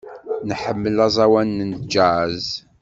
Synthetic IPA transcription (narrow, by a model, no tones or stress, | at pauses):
nħəmːəlɑzˤɑwænːənd͡ʒaʕz